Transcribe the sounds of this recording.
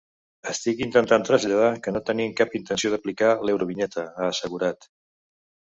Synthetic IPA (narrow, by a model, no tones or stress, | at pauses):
əst̪ikint̪ənt̪ant̪ɾəzʎəð̞akənot̪əniŋkapint̪ənsioðəplikalewɾuβinɛt̪ʰəaːsəɣuɾat̪